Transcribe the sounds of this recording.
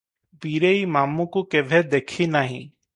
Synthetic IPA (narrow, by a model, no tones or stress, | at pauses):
biːɾeiːmaːmũkukeːʋʱɛd̪eːkʰinaːɦḭ̃ː